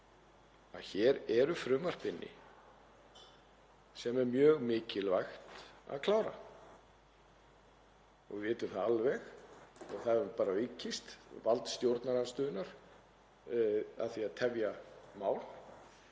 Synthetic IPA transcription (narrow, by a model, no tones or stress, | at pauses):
aðçɛːɾɛɾʏfɾʏːmar̥pɪnːɪ̰ | sɛmɛɾmjœːɣmɪːcɪlvajxt̪a̰ðkʰlaːwɾa̰ | ɔ̰ɣvɪːt̪ʏmθaðalvɛxɔɣθaðɾpaːɾavɪcːist̪valt̪st̪jowɾt̪naɾast̪ʏːðʏnaɾ̥ | a̰ðθiaðt̪ʰɛvjamaːwl